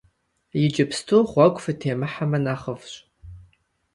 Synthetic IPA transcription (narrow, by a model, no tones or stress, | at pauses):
jɪd͡ʒɪpstʰuχʷɑɡʷʼfɨtʰeːmɨħamɐnaːχəvɕʼ